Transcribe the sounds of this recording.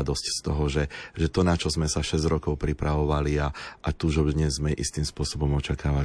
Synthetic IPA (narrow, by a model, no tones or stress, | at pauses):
d̪ɔscst̪ɔɦɔʒɛʒɛt̪ɔnat͡ʃɔzmɛsaʃɛzɟɾɔkɔʊpɾipɾaʋɔʋaliaʔat̪uʒɔd̪ɲɛzːmɛʔḭst̪iːmspʊɔsɔbɔmɔt͡ʃakaːʋa